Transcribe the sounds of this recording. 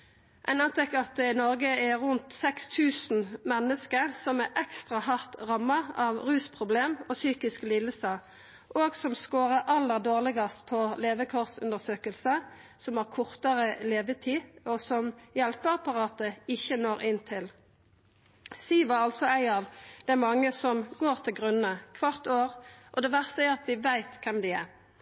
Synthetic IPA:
ʔæ̰ɪnɑnt̪ʰɛkːəɑt̪̚d̪ɛnɔʁɡəɛʁʉnt̪sɛkst̪ʰʉːsn̩mɛnːəskəʁsɔmɛʔɛkst̪ʁɑhɑʁt̪ʁɑmːəɑʋʁʉːspʰʁʊbleːmosyːkɪskliləsə | ʔoːɡsɔmskoːʁəʁʔɑlːəʁd̪oːʁlɪɡɑst̪̚pʰɔleːʋəkʰɔʁsʉ̰nd̪əsøːkəlsəsɔmæːʁkʰʊʁt̪ɑʁəleːʋət̪ʰiːɔsɔmjɛlpəʁɑpɑʁɑːt̪əɪçənoːʁɪnt̪ʰɪl | siːʋɑʁɑlt̪sɔæɪɑːʋd̪ɛæmɑŋːəsɔmɡoːʁt̪ʰɪlɡʁʉnənəkʰʋɑʁt̪oːʁʔɔd̪ɛːʋæʁst̪əæɑt̪ʋɪʋæɪt̪kʰɛmd̪ɛæʁ

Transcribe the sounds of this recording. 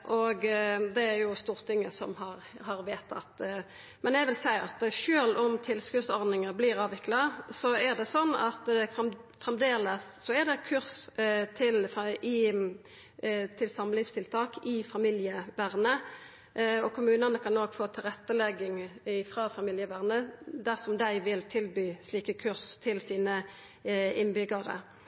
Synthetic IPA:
ʔɔɡd̪ɛæɾjʊst̪uːʁt̪ʰɪŋːəsɔ̰mhɑɾhɑɾʋeːt̪ʰɑ̰t̪ | mɛnæɡʋɪlsæɪɑ̰t̪ʃøːlɔmt̪ʰɪlskʉsɔɾd̪ɪŋəbliːɾɑːʋɪklɑsɔæʁd̪ɛsɔnːɑ̰t̪ | fʁɛmd̪eːləsːɔæʁd̪ɛkʰʉɾst̪ʰɪlɪ | t̪ʰɪlsɑməlɪst̪ʰɪlt̪ʰɑːkʰɪfɑmɪljəʋæʁnə | ɔkʰʊmʉːnɑnəkʰɑnoːɡ̥foːt̪ʰɪlʁɛt̪ːəlɛɡɪŋɪfɾɑːfɑmɪːljəʋæʁnəd̪æʁsɔmd̪æɪʋɪlt̪ʰɪlbyːsliːkəkʰʉʁst̪ʰɪlsiːnə | ɪnbʏɡɑʁə̰

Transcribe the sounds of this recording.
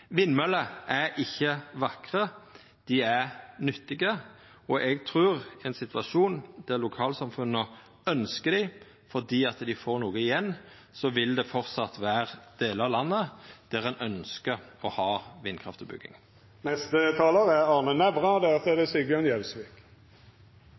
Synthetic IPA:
ʋɪnmœləʔæɾʔɪçːəʋɑkʁə | d̪̥ɪæʁnʏt̪ːɪɡə | ɔʔɛɡt̪ʰʁʉːʁɛnsɪt̪ʋɑʃuːnd̪̥æʁlʊkʰɑːlsɑmfʉnːə | œnskəd̪ɪ | fɔd̪iːɑt̪d̪ɪfoːʁnuːɡəɪjɛnː | sɔʋɪld̪ɛfɔɾt̪sɑt̪ʋæːʁd̪̥eːləɑlɑnːəd̪̥æʁɛnʔœnskəɔhɑːʋɪnkʰʁɑ̰ft̪ɔbʉ̰ɡːɪ̰ŋ | nɛst̪ət̪ʰɑːləʁæɑʁnənɛʋʁɑd̪æːsɔɛd̪ɛsiɡɑnjɛlsʋik

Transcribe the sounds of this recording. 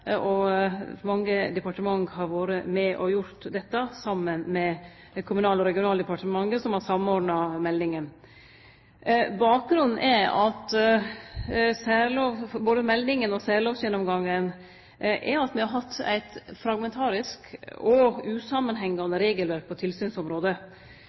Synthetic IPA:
ɔmɑŋːəd̪ɛpɑʈəmɑŋhɑɾʋoːɾəmɛʔɔjʊɾt̪d̪ɛt̪ːɑsɑmːənmɛ | kʰʊmʉnɑːlɔɾɛɡɪʊnɑːld̪əpɑʈəmɑŋːəsɔmhɑɾsɑmːɔɖɳɑmɛlnɪŋən | bɑːk̚ɡɾʉnːn̩ʔɛɾɑt̪ | sæːɾloːʋfɔboːd̪əmɛlnɪŋənɔsæːloːʋsjɛnɔmɡɑŋːən | ʔɛɾɑt̪mɛhɑɾɦɑt̪ːæ̰ɪt̪fɾɑɡmɛnt̪ʰɑːɾɪskɔʉːsɑmənɦɛŋːɑnəɾeːɡəlʋæɾk̚pʰɔt̪ʰɪlsyːnsɔmɾoːd̪ə

